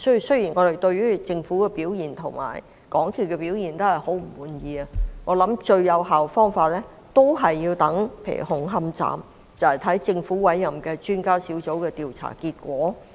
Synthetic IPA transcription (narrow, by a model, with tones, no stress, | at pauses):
sɵ˥y˨sɵ˥ɥjiː˨˩nŋɔ˨˧ɾe˨˩jt̪ɵ˧ɥyː˥t͡sɪ˧ŋfuː˨˥kɛ˧piː˨˥wjiː˨˩nt̪ʰʊ˨˩ŋma̰ː˨˩j | kɔː˨˥ŋkʰiː˨˩kɛː˧piː˨˥wji˨˩nt̪o˥whɐ˨jho˨˥wm̩˨˩wuː˨˧njiː˨˧ɐ˧ŋɔː˨˧lɐ˨˥mt͡ʃɵ˧ɥjɐ˨˧wɦaː˨wfɔː˥ŋfaː˧t̚lɛː˥ | t̪o˥wɦɐ˨jːiː˧wt̪ɐ˨˥ŋpʰḛ˧jy̰˨˩ɦʊ˨˥˩ŋɦɐ˥mt͡sa̰ː˨m | t͡sɐ˨whɐ˨˩jt̪ʰɐ˨˥jt͡sɪ˧ŋfuː˨˥wɐ˨˥jːɐ˨˩mkɛː˧t͡ʃyː˥nkaː˥siː˨˥wt͡so˨˥wkɛː˧t̪iː˨wt͡sʰa̰ː˨˩kiː˧t̚kʷɔː˨˥